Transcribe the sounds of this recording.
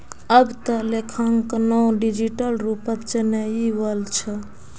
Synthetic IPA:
əbt̪əlekʰəŋknɔɖid͡ʒiʈəlɾupət̪t͡ʃənəiʋəlt͡ʃʰə

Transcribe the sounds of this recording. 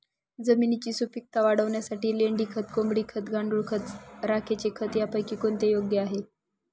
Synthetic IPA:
d͡zəminit͡ɕiːsupik̚t̪aʋaɽəʋɳjasaʈiːleɳɖiːkʰət̪̚ɡombɽiːkʰət̪ɡaɳɖuɭkʰət̪ɾakʰet͡ɕekʰət̪japəjkiːkoɳt̪ejoɡjəaɦe

